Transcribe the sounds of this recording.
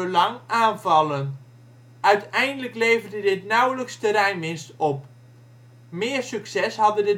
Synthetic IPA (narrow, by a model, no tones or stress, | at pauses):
əlɑŋaːnvɑlˠən | ʔœɥtɛjndələklejvərdədɪtnawləkstəɾɛjnmɪnstɔp | mɪːəɹsyksɛshɑdədə